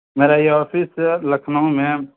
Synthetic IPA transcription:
meːɾajɔːpʰisləkʰnaũmẽ

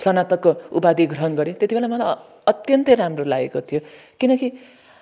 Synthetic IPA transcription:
sʌnat̪ʌkːoupad̪ʱiɡrʌɦʌnɡʌɾet̪et̪ibʱelamʌlaj | ʌt̪jʌnt̪ʌjɾamrolaɡḛkot̪ʰijo | kinʌki

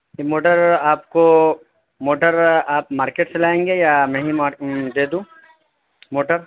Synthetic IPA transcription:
moːʈəɾaːpko | moːʈəɾaːpmaːɾkeːʈselaːẽːŋɡejamɛ̃ɦimad̪eːd̪ũː | moːʈəɾ

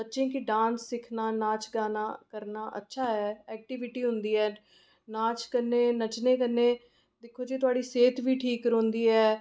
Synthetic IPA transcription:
bətːʃẽːkɪɖãːnsːɪkʰnaːnaːt͡ʃɡaːnaːkəɾnaːʔə̰tːʃʰaːɦɛːɛːk̚ʈɪːʋɪʈiːɦʊ̃nd̪iːɛː | naːt͡ʃkənːẽːnət͡ʃneːkənːeː | d̪ɪkʰːoːd͡ʒiːt̪̬ʊaːɖiːseːt̪ʋiːʈʰiːkɾõnd̪iːɛː

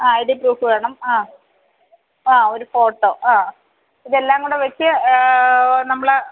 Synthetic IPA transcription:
aːɐjiɽipruːfɨʋeːɳɐmaː | aːo̞ɾufo̞ːʈːoːʔaː | iðelːaːŋɡuɽeʋɐt͡ɕːɨ | nɐmːɐɭɨ

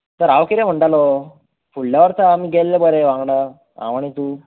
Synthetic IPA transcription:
t̪əɾaʋkiɾem̤əɳʈalo | fuɭljaʋəɾt̪əamiːɡɛlːebəɾeʋãŋɡɽa | ã̰ʋaɽ̃it̪uː

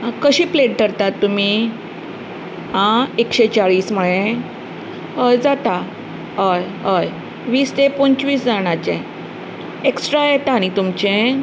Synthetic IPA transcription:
kəɕiːpleʈ̚dəɾt̪at̪ːum̤i | ãekɕet͡ɕaɭiːsməɭẽ | jd͡zat̪a | ɦəjɦəj | ʋiːst̪epont͡ɕʋiːsd͡zaɽ̃at͡ɕẽ | eksʈɾajet̪añit̪umt͡ɕẽ

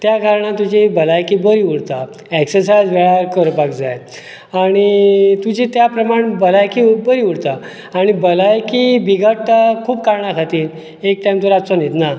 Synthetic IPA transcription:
t̪jaɡʱaɾɳãt̪ud͡ʑibəlajkibəɾiuɽt̪a | ɛksəɾsad͡zʋeɭaɾkəɾpakd͡zaj | aɽ̃it̪ud͡ʑit̪japɾəmaɳbəlajkibəɾiuɽt̪a | aɽ̃ibəlajkibiɡʱəʈʈakʰuːbkaɾɳakʰat̪iːɾ | ek̚ʈajmt̪uɾat͡sonet̪na

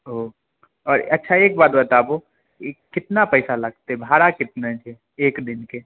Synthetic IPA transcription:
ɦoː | ɔːɾɐtːʃʰaeːk̚baːt̪bɐt̪aːbo | ekːɪt̪napɛɪsalɐɡ̚t̪eɛbʱaːɾakɪt̪̚nat͡ʃʰe | eːkd̪ɪnke

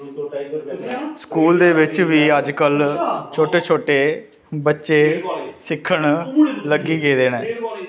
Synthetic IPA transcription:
skuːld̪eːʋɪt͡ʃʋiːəd͡ʒkəlt͡ʃʰoːʈeːt͡ʃʰoːʈeː | bətːʃeːsɪkʰːəɳləɡiːɡeːd̪eːnɛː

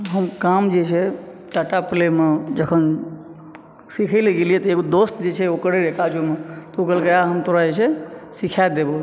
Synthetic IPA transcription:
ɦəmkamd͡ʒet͡ʃʰɛ | ʈaʈaplemed͡ʒəkʰən | sikʰəleɡelijɛt̪eɡod̪ost̪d͡ʒet͡ʃʰɛokɾeɾekad͡ʒomet̪uɡəlkeaɦəmt̪oɾad͡ʒet͡ʃʰɛsikʰad̪ebo

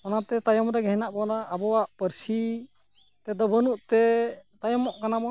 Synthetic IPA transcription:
ɔnat̪ɛt̪ajɔmɾɛɡɛɦinaʔbɔnaʔːbɔwaʔpəɾsi | t̪ɛd̪ɔbənuʔt̪ɛt̪ajɔmɔʔkanabɔ

